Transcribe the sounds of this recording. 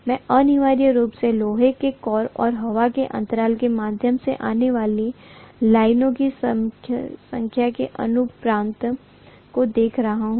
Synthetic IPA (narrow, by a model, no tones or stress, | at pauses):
mɛ̃ːʔɐnɪʋaːɾjəɾuːpseloːɦekekɔːɾɔ̰ːɾɦɐʋakeʔɐ̰̃nt̪əɾaːlkemaːd̪ʱjəmsḛʔaːneʋaːlilaːɪnõkis | sɐ̃ŋkʰjakeʔɐ̰nʊpɾãːnt̪ | kod̪eːkʰɾɐɦaɦũ